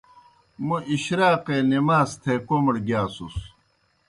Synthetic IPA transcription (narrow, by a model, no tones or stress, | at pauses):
muʔiɕɾaːqeːnimaːst̪ʰekomɽɡjaːsus